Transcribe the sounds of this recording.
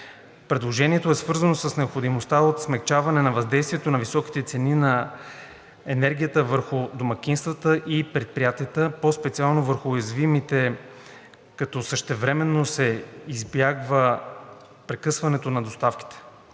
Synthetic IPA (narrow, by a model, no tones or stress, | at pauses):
pɾɛd̪lˠoʒɛniɛt̪oɛsvɤɾzənosəsnɛopxod̪imost̪aot̪smɛkt͡ʃavɐnɛnɐvɐzd̪ɛjst̪vʲiɛt̪onɐvisɔki̥t̪ɛt̪sɛninɐ | ɛnɛɾɡʲijət̪əvəɾxʊd̪omɐk̟inst̪vət̪əʔipɾɛt̪̚pɾʲijat̪iət̪əpospɛt̪sialˠnovəɾxʊːjɐzvimit̪ɛ | kɐt̪ɔsəʃt̪ɛvɾɛmɛnːosɛizbjaɡvə | pɾɛkɤsvɐnɛt̪onɐd̪ost̪afki̥t̪ɛ̥